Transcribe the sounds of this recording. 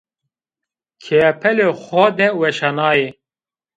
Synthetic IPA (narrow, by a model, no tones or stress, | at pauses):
kʰɛpʰɛlexɔd̪ɛwɛʃɑːnɑːje